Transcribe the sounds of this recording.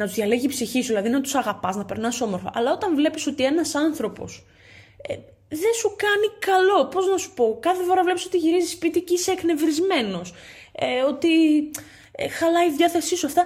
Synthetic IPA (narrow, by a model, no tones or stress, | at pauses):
nɐt̪uzðʝɐle̞ʝipsiçisuðilɐðinɐt̪usɐɣɐpɐznɐpeɾnɐso̞mo̞ɾfo̰ʔɐlɐot̪ɐɱvle̞piso̞t̪ie̞nɐsɐnθɾo̞po̞̰s | e | ðesukɐnikɐlo̞po̞znɐsu̥po̞kɐθe̞fo̞ɾɐvleiso̞t̪iʝiɾizispit̪iceisekne̞vɾizme̞no̞s | eo̞t̪i | xɐlɐiðʝɐθe̞sisuɐft̪ɐ